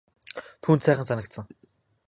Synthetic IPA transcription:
t̪ʰuːnt̪sæːχə̆nsanə̆kt̪sə̆ŋ

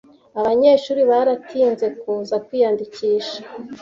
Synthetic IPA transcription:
aβaɲeːʃuːɾiβaɾatʰiːnze̞kuːzakwiːjandiciːʃḁ

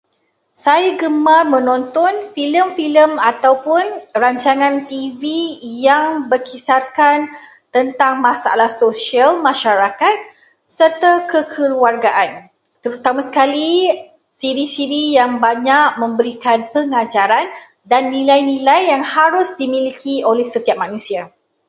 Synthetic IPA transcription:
sajaɡəmarmə̃nɔ̃nt̪ɔnfiləmfiləmat̪awpʊnraɲt͡ʃaŋãnt̪ivijaŋbərkʰisarkan | t̪ənt̪aŋmãsaa̰lahsoʃialmãʃaɾakat̪̚ | sərt̪akəkʰəluarɡaʔan | t̪əɾut̪amãsə̥kali | siɾisiɾijaŋbaɲak̚mə̃mbəɾikanpəŋad͡ʒaɾan | danːĩlajnĩlajːaŋhaɾʊsdimĩlikʰiolɛhsət̪iap̚mãnũsia

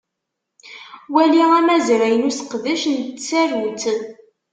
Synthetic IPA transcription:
wæliæmæzɾæjənusə̥qðæʃnt͡sːærunt̪ən

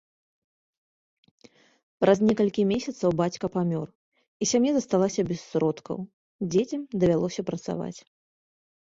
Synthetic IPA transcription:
pɾʔɐznʲɛkɐlʲkʲimʲesʲɐt̪sɐwbat͡sʲkɐpamʲɔr | isʲamjazɐst̪alˠasʲɐbʲɛsːɾɔt̪kʰɐ̰w | d͡zʲet͡sʲɐmd̪ɐvʲalˠɔsʲɐpɾɐt̪sa̰va̰t͡sʲ

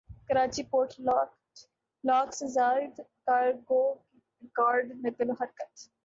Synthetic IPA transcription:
kəɾaːt͡ʃiːpoːɾʈʰlː | laːksezaːɪd̪kaɾɡoːki | ɾɪkaːɾɖnet̪əloɦɐɾkət̪

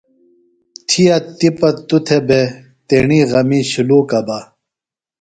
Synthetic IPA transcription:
t̪ʰijɐt̪ipɐt̪ut̪ʰebe | t̪eːɳiɣɐmiɕiluːkɐbɐ

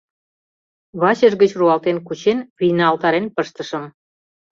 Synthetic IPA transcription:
βɑt͡ɕəʒɣət͡ɕruɑlt̪enkut͡ɕenβijnɑɑlt̪ɑɾenpəʃt̪ə̆ʃəm

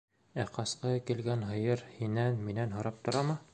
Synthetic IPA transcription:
æqɑsqɤkilɡænɦɤ̆jɤɾhinænminænɦŏɾɑp̚t̪ŏɾɑmɤ

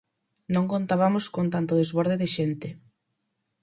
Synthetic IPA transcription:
nõŋkont̪aβamoskont̪ant̪oðezβɔɾðeðɪʃent̪ɪ

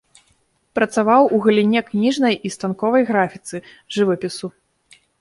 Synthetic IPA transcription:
pɾɐt̪savawuɣɐlʲinʲɛknʲiʐnɐjist̪ankɔvɐjɣɾafʲit̪sɨ | ʐɨvɐpʲisu

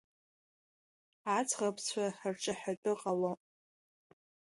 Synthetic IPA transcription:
at͡sʰʼʁapʰt͡sʷʰaħrʈ͡ʂʼaħatʼɨqʼalo

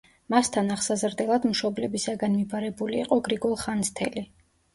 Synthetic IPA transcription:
mast̪ʰanaʁsazɾd̪ɛlˠad̪mʃɔblɛbisaɡanmibaɾɛbuliːqʼɔɡɾiɡɔlˠχanst̪ʰɛli

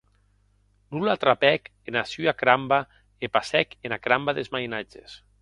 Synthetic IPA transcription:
nulat̪ɾapɛkenasyakɾamba | epasɛkenakɾambaðezmajnad͡ʒḛs

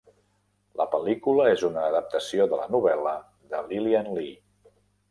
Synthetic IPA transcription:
ləpəlikuləezunəːðəp̚t̪əsioðələnuβ̞ɛlə | ðəlilianli

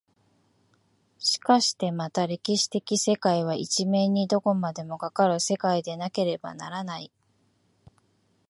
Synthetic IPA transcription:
ɕi̥kaɕi̥t̪e̞mat̪aɾe̞kʲiɕi̥t̪e̞kʲise̞kaiβ̞ait͡ɕime̞ɲ̟id̪o̞ko̞mad̪e̞mo̞ɡakaɾɯ̟se̞kaid̪e̞nake̞ɾe̞ba̰na̰ɾanai

